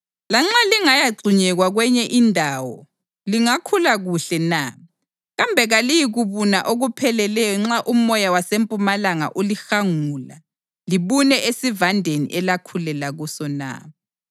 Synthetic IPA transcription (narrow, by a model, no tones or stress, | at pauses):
laŋ͡ǁaliŋajaɡ͡ǀʱiɲɛɣwaɣwɛɲɛʔindʱaːwɔ̰ | liŋakʰulaɣuɬɛna | ɣambʱɛɣalijiɣuβuna̰ʔoɣupʰɛlɛlɛjɔŋ͡ǁaʔumɔjawasempʼumalaŋa̰ʔulixaŋuːla̰ | liβunɛʔesivandʱenḭʔɛlakʰulɛlaɣusɔna̰